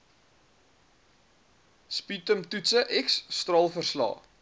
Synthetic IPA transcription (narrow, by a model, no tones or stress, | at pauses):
spitəmtutsəʔɛksːt̪rɑːlˠfərslɑ̰ː